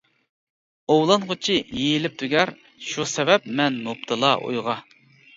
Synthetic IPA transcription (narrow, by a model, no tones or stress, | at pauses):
owlˠɑnʁʊt͡ʃʰijejilɪp̚t̪ʰuɡʲɛɾ | ʃusɛvɛp̚mɛnːop̚t̪ʰɨlˠɑʔṵjʁɑ